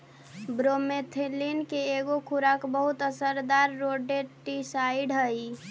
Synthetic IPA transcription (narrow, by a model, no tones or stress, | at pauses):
bɾomet̪ʰelinkeːɡokʰuɾakbəɦut̪əsəɾd̪aɾːoɖeʈisaiɖɦəi